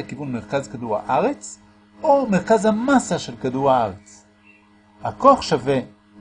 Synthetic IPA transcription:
akivunmeʁkazkaduʁha̰ʔaʁet͡s | ome̞ʁkazhamasaʃelkaduʁhaaʁet͡s | hakoχʃave

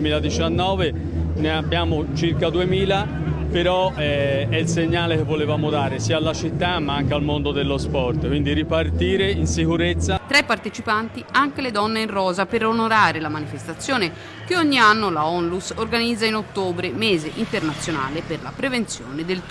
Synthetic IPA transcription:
miːlad̪it͡ʃanːɔːve | neabːjaːmot͡ʃirkad̪uemiːla | peɾɔɛɛilseɲːaːlekevːolevaːmod̪aːɾesiːaːlːat͡ʃit̪ːamːaaŋkealmond̪od̪elːospɔrt̪kwind̪iɾipart̪iːɾeinsikuɾet̪sːat̪ɾɛpːart̪et͡ʃipant̪iaŋk̟eled̪ɔnːeinrɔːzapeɾonoɾaːɾelamanifest̪at̪sːjoːne | keɔɲːianːolaɔnlusorɡanid̪zːainot̪ːoːbɾemɛːzeʔint̪ernat̪sːjona̰ːleperla̰pɾevent̪sjoːned̪elt̪

